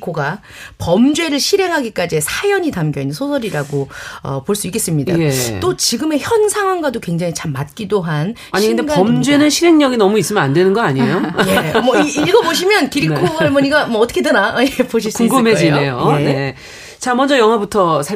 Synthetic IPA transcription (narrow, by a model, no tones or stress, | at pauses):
kʰoɡa | pʌmd͡ʑwe̞ɾɯɭɕʰiɾe̞ŋɦaɡik͈ad͡ʑiesʰajʌɲitamɡjʌinːɯnsʰosʰʌɾiɾaɡoʌ̰poɭs͈uik͈ːe̞s͈ɯmɲida̰et͈ot͡ɕiɡɯme̞çjʌnsʰaŋɦwaŋɡwadokwe̞ŋd͡ʑaŋit͡ɕamːat̚k͈idoɦan | aɲiɯdeɡpaʌmd͡ʑwe̞nɯnɕʰiɾe̞ŋɲʌɡinʌmuis͈ɯmjʌnandwe̞nɯnɡʌaɲiejoemʌiɡʌboɕ̬ʰimjʌnkiɾikʰoɡaɭmoɲiɡamʌʌtʰʌkʰedenajepoɕ̬ʰskuŋɡomed͡ʑinejoene | t͡ɕamʌnd͡ʑʌjʌŋɦwabutʰʌsʰa